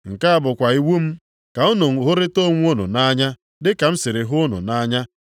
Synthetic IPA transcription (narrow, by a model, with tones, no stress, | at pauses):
ŋ̩˨ka˦a˦bʊ˨kʷa˨i˦wu˦m̩˦ | ka˨ʊ˦nʊ˨ŋ̩˨ɦʊ˦ɾɪ˦to˦˨ŋʷ˦o˦nʊ̰˨na˦ɲa˦ | dɪ˦ka˨m̩˦sɪ˨ɾɪ˨ɦʊ˦ʊ˦nʊ̰˨na˦ɲa˦